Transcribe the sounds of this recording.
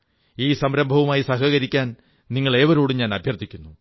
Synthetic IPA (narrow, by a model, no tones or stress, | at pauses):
iːsɐmɾɐmbʱɐʋɐmaːjisɐɦɐɣɐɾikʲːaːn | niŋːɐɭe̞ːʋɐɾoːɽɨɲaːnɐbʱjɐrt̪ʰikʲːunːu